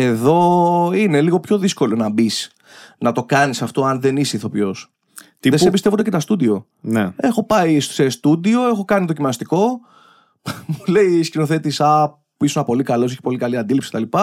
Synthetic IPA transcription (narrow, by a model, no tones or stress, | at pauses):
e̞ðo̞ine̞liɣo̞pço̞ðisko̞lo̞nɐbis | nɐt̪o̞kɐnisɐft̪o̞ɐnðe̞nisiθo̞pjo̞s | ðessepist̪evond̪ecet̪ɐst̪ud̪io̞ | nee̞xo̞pɐissest̪ud̪io̞e̞xo̞kɐniðocimɐst̪iko̞ | mule̞iscino̞θe̞t̪isɐ | pisunɐpo̞likɐlo̞s̬e̞çi̥po̞likɐliɐnd̪ilipsi̥ket̪ɐlipɐ